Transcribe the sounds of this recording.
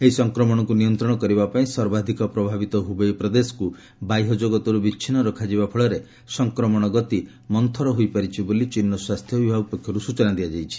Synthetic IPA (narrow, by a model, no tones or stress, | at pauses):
eɦisɔŋkɾɔmɔɽ̃ɔkuniɔnt̪ɾɔɽɔkɔɾibapaĩsɔɾbad̪ʱikɔpɾɔbʱabit̪ɔɦubɔjpɾɔd̪esɔ̥ku | bajɦɔd͡ʒoɡɔt̪ɔɾubiːt͡ʃʰinɔɾɔkʰad͡ʒibapʰɔɭɔɾe | sɔŋkɾɔmɔɽ̃ɔɡɔt̪i | mɔnt̪ʰɔɾɔɦojpaɾit͡ʃʰibolit͡ʃinːɔswast̪ʰjɔbibʱabupekʰjɔɾusut͡ʃɔnad̪ijad͡ʒajt͡ʃʰi̥